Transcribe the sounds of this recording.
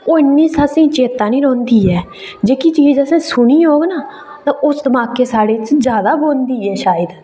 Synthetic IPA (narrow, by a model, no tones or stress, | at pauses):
ʊɪnːiːsasĩːt͡ʃeːt̪ãːnĩːɾõːnd̪iːɛː | d͡ʒeːkit͡ʃiːd͡ʒəsẽːsʊɳiːɦoːɡnaː | t̪ãːʔʊsd̪əmaːkeːsaːɽeːt͡ʃd͡ʒjaːd̪aːboːnd̪iːɛːʃaːjəd̪